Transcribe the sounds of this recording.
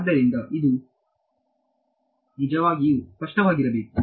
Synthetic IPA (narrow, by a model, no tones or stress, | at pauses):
d̪ːɐɾind̪ɐʔid̪u | nid͡ʒɐʋaːɡispɐʂʈɐʋaːɡiɾɐbeːku